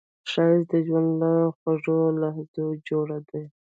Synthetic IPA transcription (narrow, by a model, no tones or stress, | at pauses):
ʃaɪzd̪əʒwand̪laxwaʐolahzod͡ʒoɽad̪aj